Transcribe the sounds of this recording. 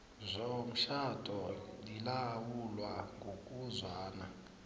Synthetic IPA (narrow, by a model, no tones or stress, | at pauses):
zʷɔm̩ʃatʰʼɔlilawulwaŋɡʱokʼuzwaːna̰